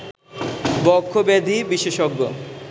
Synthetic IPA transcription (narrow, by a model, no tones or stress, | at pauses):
bɔkʰːobed̪ʱibiʃeʃoɡːo̰